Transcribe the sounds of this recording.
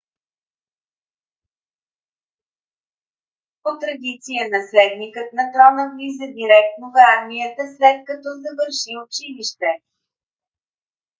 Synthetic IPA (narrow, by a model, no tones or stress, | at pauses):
pot̪ɾɐd̪it̪sijənɐslɛd̪nikət̪̚nɐt̪ɾɔnəvizəd̪iɾɛk̚t̪novəaɾmijət̪əslɛt̪̚kɐt̪ɔzəvəɾʃiʊt͡ʃiliʃt̪ɛ